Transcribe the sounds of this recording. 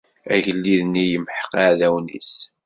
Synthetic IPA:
æʝəlːiðnijəmħə̥qaʕðæwnḭs

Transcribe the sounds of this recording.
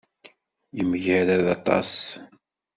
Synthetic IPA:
jəməʝæɾæðɑt̪ˤɑ̰s

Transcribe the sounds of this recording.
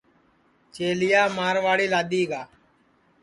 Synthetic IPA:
t͡ʃeːlɪjaːmaːɾʋaːɽiːlaːd̪iːɡaː

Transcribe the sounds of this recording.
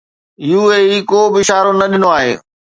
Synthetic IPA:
juːeːikoːbɪɪʃaːɾonɐɗɪnoaːɦḛː

